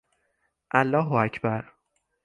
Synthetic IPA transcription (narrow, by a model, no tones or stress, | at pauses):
ʔælːɒːɦoæcʰbæɾ